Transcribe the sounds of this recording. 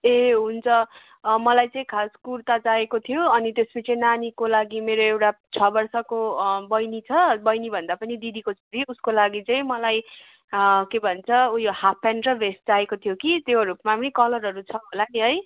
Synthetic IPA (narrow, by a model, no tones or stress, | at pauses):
eɦunt͡sʰʌ | mʌlajt͡sʌ̃ĩkʰaskurt̪ad͡zaekot̪ʰijoʌnit̪espʌt͡sʰinanikolaɡimeɾoewʈat͡sʰʌbʌrsʌkobʌjnit͡sʰʌbʌjnibʱʌnd̪apʌnid̪id̪ʱikot͡sʰoɾiuskolaɡit͡sʌĩmʌlaj | kebʱʌnt͡sʰʌujohapʰːanrʌbʱesʈd͡zaekot̪ʰijokit̪joɾupmapʌnikʌlʌrɦʌɾut͡sʰʌɦolaniɦʌj